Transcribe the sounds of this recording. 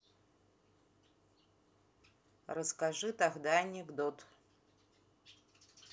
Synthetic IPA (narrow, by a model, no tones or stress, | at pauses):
rəskaʐɨt̪aɣd̪aɐnʲɪɡd̪ot̪